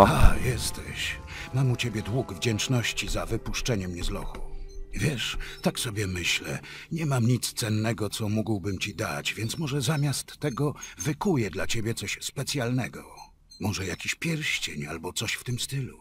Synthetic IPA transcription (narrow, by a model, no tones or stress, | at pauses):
ajɛst̪ʰɛ̰ɕ | mamut͡ɕebʲjɛd̪wuɡvd͡ʑɛnt͡ʂnɔɕt͡ɕizavɘpuʂt͡ʂɛɲɛmɲɛzlɔ̰xuvʲjɛʂt̪aksɔbʲjɛmɘɕlɛ̰ | ɲɛmamɲit̪st̪sɛnːɛɡɔt̪sɔmuɡwbɘmt͡ɕid̪a̰t͡ɕvʲjɛnt̪smɔʐɛzamʲjast̪ːɛɡɔvɘkujɛd̪lat͡ɕebʲjɛt̪sɔɕspɛt̪sʲjalnɛɡɔ | mɔʐɛjakʲiɕpʲjɛɾɕt͡ɕeɲa̰lbɔt̪sɔɕft̪ɘmst̪ɘlu